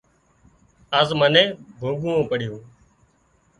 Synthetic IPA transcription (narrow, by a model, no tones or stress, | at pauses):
əzmənẽːbʱuːɡuːõːpəɽ̤ɪjõː